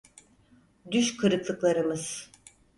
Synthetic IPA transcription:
d̪yʃkʰɯɾɯklˠɯklˠaɾɯmɯz̥

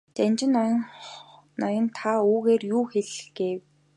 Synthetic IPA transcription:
t͡ɕanʲt͡ɕɪ̆n | nɔjɞ̆nt̪ʰauːɣeːrjuːxeɮɡ̥eːw

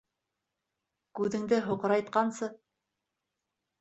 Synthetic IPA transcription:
kʉðɘ̆ŋd̪ɘɦŏqɤ̆ɾɑjt̪qɑnsɤ

